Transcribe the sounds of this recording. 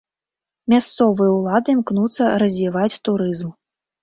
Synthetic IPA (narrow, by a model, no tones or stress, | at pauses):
mʲast̪sɔvɨjɐulˠad̪ɨmknut̪sːɐɾɐzʲvʲivat͡sʲt̪uɾɨzm